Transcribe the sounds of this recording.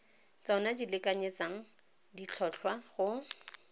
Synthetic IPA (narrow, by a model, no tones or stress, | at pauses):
t͡sɔnadilɪkʼaɲet͡saŋ̩ | dit͡ɬʰɔɬʰwaχʊ